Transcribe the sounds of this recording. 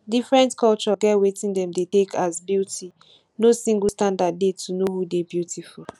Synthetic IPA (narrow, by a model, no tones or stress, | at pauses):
difɹɛ̃ntkɔlt͡ʃɔɡɛtwetĩndɛ̃mdetekʰazbjutʰi | nosĩŋɡstãndad̚ːetunohudebjutʰifu